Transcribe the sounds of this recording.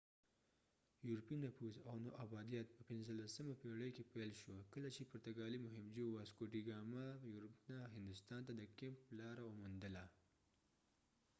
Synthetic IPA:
juɾpinafuzawnoʔabɑd̪ijɑt̪̚pəpɪnzəlasəmapeɽəjkepelʃwokəlat͡ʃepʊɾt̪aɡɑlimʊɦɪmd͡ʒowaskoʈiɡɑmajuɾpnaɦɪnd̪ʊst̪ɑnt̪ad̪əkemplɑɾaomʊnd̪əla

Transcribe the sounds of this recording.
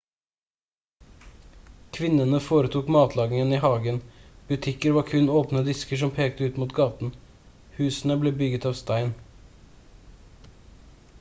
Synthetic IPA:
kʰʋɪnənəfoːɾət̪ʰuːkmɑːt̪lɑːɡɪŋəniːhɑːɡənb̥ʉt̪ʰɪkəɾʋɑːɾkʰʉnoːpnəd̪ɪskəʂɔmpʰeːkt̪əʉːt̪muːt̪ɡɑːt̪n̩ | hʉːsn̩əbleːbʏɡət̪ɑːʋst̪æɪn

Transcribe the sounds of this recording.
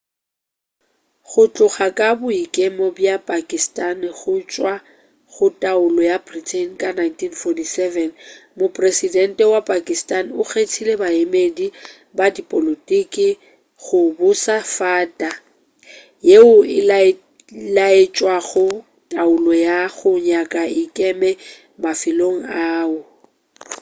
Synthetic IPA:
χʊt͡ɬʼʊχakʼabʊikʼemɔbjapʼakʼistʼanɪχʊt͡ʃʼwa | χʊtʼaʊlɔjabritʰɛnkʼanajntʰinfɔtʰisɛvɛnmopʼresidɛn̩tʼɛwapʼakʼistʼanʊɣetʰilebaemedi | badipʼolotʼikʼɪ | ɣʊbʊsafaːtʼa | jeʊɪl | laet͡ʃʼwaɣʊ | tʼaʊlɔjaɣʊɲakʼaɪkʼɛmɛ | mafɪloŋ̩aːʊ

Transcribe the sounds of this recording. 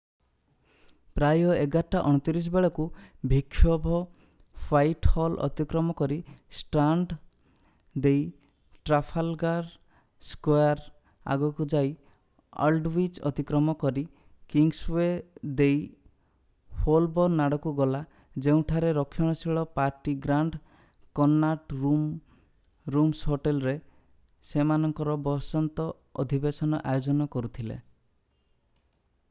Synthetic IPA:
pɾajɔeɡaʈːaʔɔɽ̃ɔt̪iɾis̬ɔbeɭɔkubʱikʰːjɔbʱɔ | pʰajʈhɔlʔɔ̰t̪ikɾɔmɔkɔɾisʈɾaɳɖ | d̪ej | ʈɾapʰalɡaɾ | skoaɾ | a̰ɡɔkud͡ʒaj | ɔ̰lɖwit͡ʃɔ̰t̪ikɾɔmɔkɔɾi | kiŋɡswed̪ej | polbɔɾnaɽɔkuɡɔla | d͡ʒeũʈʰaɾeɾɔkʰːjɔɽ̃ɔsiɭɔpaɾʈiɡɾaɳɖ | kɔnːaʈɾum | ɾumsɦoʈelɾe | semanɔŋkɔɾɔbɔsɔnt̪ɔ | ɔd̪ʱibesɔnɔʔajod͡ʒɔnɔkɔɾut̪ʰilḛ

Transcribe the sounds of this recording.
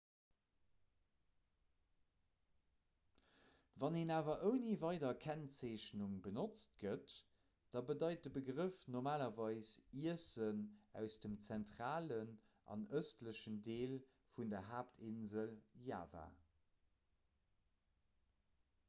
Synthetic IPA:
vɑneːnaːvɐʔəʊniːvɑɪdɐkʰænt͡seːɕnuŋbənot͡st̚ɡ̥ət | d̥ɑbədɑɪt̚dəbəɡʁəfnoʁmaːlɐvɑɪsiəsənæ̰ʊsd̥əmt͡sæntʁaːlən | ʔɑ̰nəstləʃəndeːl | fundɐɦaːptʰɪnzəlja̰ːva̰ː

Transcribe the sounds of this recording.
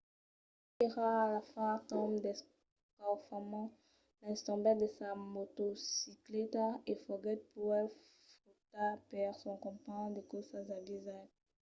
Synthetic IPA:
eʁaːlafãtɔmd̪ɛs | kafamɑ̃ | lãɛ̃st̪ɑ̃bɛtd̪esamot̪osiklet̪aefɔɡɛt̪̚puʁɛ | fot̪apɛʁsɔ̃kɔ̃pãd̪ekosazavizan

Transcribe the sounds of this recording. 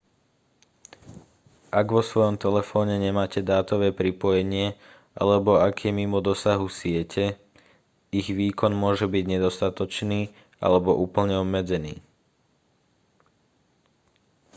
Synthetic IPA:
ʔaɡʋɔsʋɔjɔmt̪ɛlɛfɔːɲɛɲɛmaːcɛd̪aːt̪ɔʋɛːpɾipɔjɛɲɪɛ | ʔa̰lɛbɔakʰɛmimɔd̪ɔsaɦusɪɛcʰɛ | iɣʋiːkɔnmʊɔʒɛbiɟɲɛd̪ɔst̪at̪ɔt͡ʃniː | ʔa̰lɛbɔʔuːpl̩ɲɛɔbmɛd͡zɛnḭː

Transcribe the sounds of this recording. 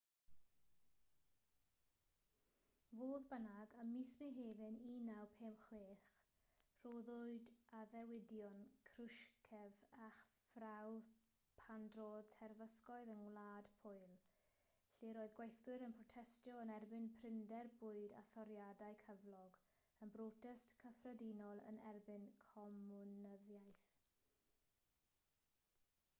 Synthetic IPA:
voːðbənaɡəmismeɦeːvɨninawpʰeːmχweːχ | r̥oːðʊɨdaðɛwɪdjɔnkʰrʊʃkʰɛvaχ | v̥raw | pʰandroːðtʰɛrvəskɔɨðənwlˠaːd̥pʰʊɨlˠ | ɬiɾoːɨðɡwejθwɨɾənpʰrɔtʰɛstjɔənɛrbɪnpʰrɪndɛrbʊɨda̰θɔɾjadaɨkʰəvlˠɔɡ | ənbroːtʰəstkʰəfrədinɔlˠə̰nɛrbɪnkʰɔmʊnəðjajθ

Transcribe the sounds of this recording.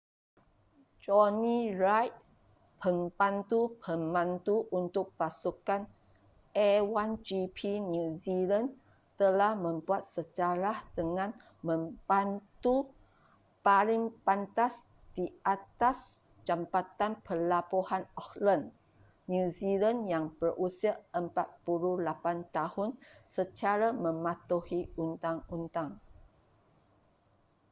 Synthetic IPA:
d͡ʒɔnĩɹajt̪̚ | pʰəmpant̪upʰəmbãnt̪uʔunt̪ʊk̚pasukan | ewand͡ʒipʰinuzilan | t̪əlahmə̃mbuat̪̚sət͡ʃaɾahdəŋãn | mə̃mbant̪u | paɾɪŋpant̪as | d̥iat̪as | t͡ʃampat̪anpərlapohanɔklənː | uzilanjaŋbərʔusiaəmpat̪̚puɾulapant̪ahʊnsət͡ʃaɾamə̃mãt̪uhiunt̪aŋunt̪aŋ

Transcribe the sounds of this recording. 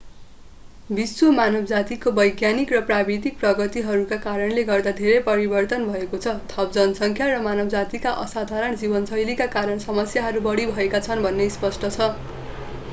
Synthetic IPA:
biswomanʌbd͡zat̪ikobʌjɡjanikrʌprabid̪ik̚prʌɡʌt̪iɦʌɾukakaɾʌnleɡʌrd̪ad̪ʱeɾʌjpʌɾibʌrt̪ʌnbʱʌekot͡sʰʌt̪ʰʌp̚d͡zʌnʌsʌŋkʰjaɾʌmanʌbd͡zat̪ikaʔʌsad̪ʱaɾʌɳd͡zibʌnsʌjlikakaɾʌɳsʌmʌsjaɦʌɾubʌɽibʱʌekat͡sʰʌnbʱʌnːejspʌsʈʰʌt͡sʰʌ

